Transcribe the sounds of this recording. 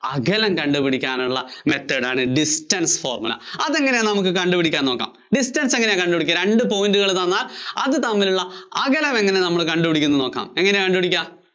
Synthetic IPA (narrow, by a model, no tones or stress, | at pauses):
ɐɣɐlɐmkɐɳɖupiɽikʲːaːnuɭːɐme̞t̪ːɐɽaːɳɨɖistɐnsfo̞̰ːrmulɐ̰ɐðe̞ŋːɐnenɐmukːɨkɐɳɖubiɽikʲːaːnoːkːa̰ːm | ɖistɐnseŋːɐnekɐɳɖubiɽikʲːɐɾe̞ɳɖɨpo̞ːjindɨɣɐɭðɐnːaːlɐðɨt̪ɐmːiluɭːɐɐɣɐlɐme̞ŋːɐne̞nɐmːɐɭkɐɳɖubiɽikʲːunːɨno̞ːkːa̰ːme̞ŋːɐnekɐɳɖubiɽikʲːɐ